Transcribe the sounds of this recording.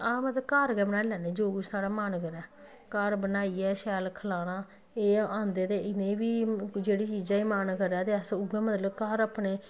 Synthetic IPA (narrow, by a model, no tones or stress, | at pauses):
aːmət̪ləbkaːɾɡɛːbənaːlɛːneːd͡ʒoːɡʊd͡ʒsaːɽaːmaːnkəɾɛː | kaɾbənaːiːɛːʃɛːlkʰəlaːñãː | eːãːnd̪eːt̪eːɪnẽːbiːd͡ʒeːɽiːt͡ʃiːd͡ʒãːiːmaːnkəɾɛːt̪eːəsʊɡɛːmət̪ləbkaːɾəpneː